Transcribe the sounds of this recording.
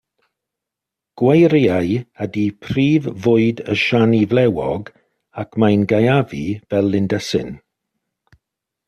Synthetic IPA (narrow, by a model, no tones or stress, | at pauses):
ɡ̥wejɾjajədipʰriːvvʊɨdəʃanivlɛwɔ̰ɡ | akʰmajnɡajavivɛlˠːɪndɛsɪ̰n